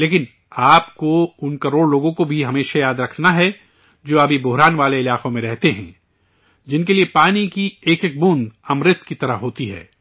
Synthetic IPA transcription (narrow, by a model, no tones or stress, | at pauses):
leːk̬ɪn | aːpkoʊnkɐɾoːɽloːɡõkobʱiɦɐmeːʃajaːd̪ɾɐkʰnaɦɛ | d͡ʒoːɐbʱibʊɦɾaːnʋaːleɪlaːqõmẽɾɛɦt̪eɦɛ̰̃ː | d͡ʒɪnkeliepaːnikieːkek̚buːnɐmɾɪt̪kit̪ɐɾəɦɦoːt̪iɦɛ̰ː